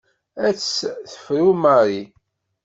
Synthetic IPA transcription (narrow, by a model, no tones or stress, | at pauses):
æt͡sːθə̥fɾumaɾi